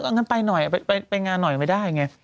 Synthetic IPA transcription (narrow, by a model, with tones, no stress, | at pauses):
a˧ŋa˧˥npa˧jnɔ˨˩jʔa˨˩a˧pa˧jpa˧jŋaː˧nːɔ˨˩jma˧˥˩jdaː˥˩jŋa˦˥